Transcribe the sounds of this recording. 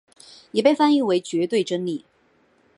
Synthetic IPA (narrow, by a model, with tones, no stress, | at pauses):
jɛ˨˩pe˥˧fa˥ni˥we˨˥jt͡ɕɥɛ˨˥t̪we˥˧ɪʈ͡ʂə˥nli˥˩